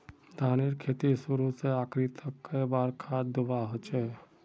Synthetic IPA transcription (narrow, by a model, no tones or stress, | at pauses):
d̪ʱaːneɾkʰeːt̪isuɾuseaːkɾit̪ʰəkːeibaːɾkʰaːd̪ʊʋaɦot͡ʃeː